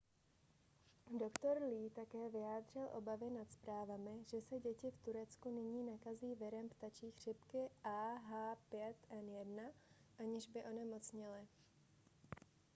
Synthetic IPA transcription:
do̞kt̪o̞ɾliːt̪akɛːvɪjaːd̪r̝ɪlʔo̞̰bavɪnat̪spɾaːvamɪʒɛsɛɟɛcɪft̪uɾɛt͡skunɪɲiːnakaziːvɪɾɛmpt̪at͡ʃiːxr̝̥ɪpkɪʔaːɦaːpjɛt̪ʔɛnjɛdnaʔaɲɪʒbɪʔo̞nɛmo̞t͡sɲɪlɪ

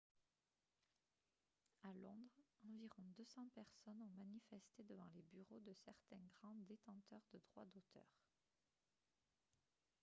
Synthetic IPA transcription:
alɔ̃d̪ʁɑ̃viʁɔ̃d̪øsɑ̃pɛʁsɔnɔ̃manifɛst̪ed̪əvɑ̃lebyʁod̪əsɛʁt̪ɛ̃ɡʁɑ̃d̪et̪ɑ̃t̪œʁd̪əd̪ʁwa̰d̪ot̪ʰœ̰ːʁ

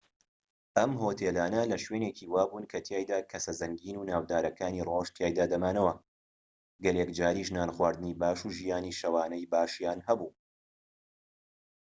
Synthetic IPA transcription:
ʔɐmɦoːt̪ʰeːlaːnɐlɐʃweːneciːwaːbuːnkʰɐt̪ʰjaːjd̪aːkʰɐsɐzɐŋɡiːnuːnaːwd̪aːɾɐkaːniroːʃt̪ʰjaːjd̪aːd̪ɐmaːnɐwɐ | ɡɐlekd͡ʒaːɾiːʒnaːnxwaːɾd̪ɨnibaːʃuʒijaːniːʃɐwaːnɐjbaːʃjaːnɦɐbuː

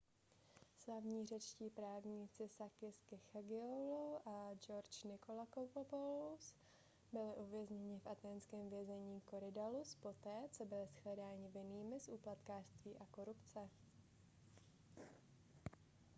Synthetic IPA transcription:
slavɲiːr̝ɛt͡ʃciːpɾaːvɲiːt͡sɪsakɪskɪxaɡɪoloʔad͡ʒoɾt͡ʃnɪkolakopopolus | bɪlɪʔuvjɛzɲɛɲɪfʔat̪ɛːnskɛːmvjɛzɛɲiːko̞ɾɪdaluspo̞t̪ɛːt͡so̞bɪlɪsxlɛdaːɲɪvɪniːmɪsʔuːplat̪kaːr̥st̪viːʔako̞ɾupt͡sɛ

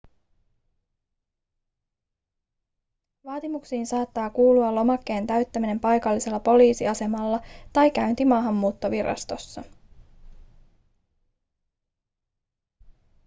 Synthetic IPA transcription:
ʋɑːt̪imuksiːnsɑːt̪ːɑːkuːluɑlo̞mɑkːe̞ːnt̪æɥt̪ːæmine̞mpɑjkɑlːise̞lːɑpo̞liːsiɑse̞mɑlːɑt̪ɑjk̟æynt̪imɑːɦɑmːuːt̪ːo̞ʋiɾɑ̰st̪o̞sːɑ

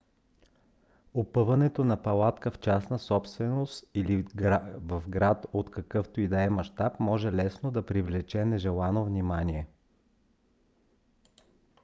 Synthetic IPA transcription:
opɤvɐnɛt̪onɐpɐlˠat̪kəft͡ʃasnəsɔpst̪vɛnost̪ilivɐvɡɾat̪ot̪kɐkɤft̪oid̪ɐɛmɐʃt̪apmɔʒɛlɛsnod̪ɐpɾivlɛt͡ʃɛnɛʒɛlˠanovnimaniɛ

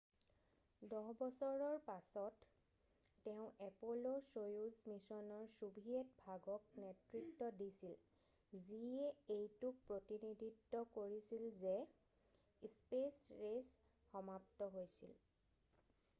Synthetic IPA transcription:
dɔɦbɔsɔɹɔɹpasɔtː | eʊ̃ɛpolosojuzmisɔnɔɹsubʱiet̚bʱaɡɔk̚netɹiktɔdisil | zieejtuk̚pɹotinidʱitːɔkoɹisilze | spesɹes | xɔmap̚tɔɦojsḭl

